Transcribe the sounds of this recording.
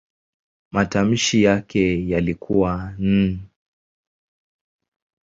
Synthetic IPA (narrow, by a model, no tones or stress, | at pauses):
matam̩ʃijakɛjalikʰuwan̩